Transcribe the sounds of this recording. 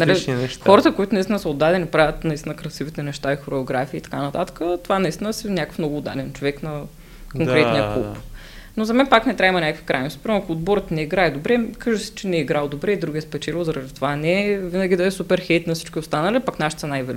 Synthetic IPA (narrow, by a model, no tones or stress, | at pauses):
nɐlixɔɾət̪əkoit̪ʊnist̪inəsɐod̪ːad̪ɛnipɾavʲət̪nɐist̪ʲinəkɾɐsivit̪ɛnɛʃt̪aixoɾɛoɡɾafiiːt̪ɐ̥kanɐt̪at̪ə̥kət̪ovanɐist̪inəsɛnʲakəfnɔɡʊːd̪ːa̰d̪ɛnt͡ʃovɛknɐ | koŋkɾɛt̪nijəṵp | nozɐmɛnpaknɛt̪ɾʲaimɐnʲakvi̥kɾajnosi̥pɾimɛɐkʊːd̪bɔɾət̪nɛiɡɾaɛd̪obɾɛkaʒɛsɛ̥t͡ʃɛnɛiɡɾalˠd̪obɾɛid̪ɾuɡʲiɛspɛt͡ʃɛlʲozɐɾɐd̪it̪ovanɛvinɐɡʲid̪əɛsupɛɾxɛjt̪nɐfsi̥t͡ʃkʲiost̪anɐlipaknaʃi̥t̪sɐnajvɛl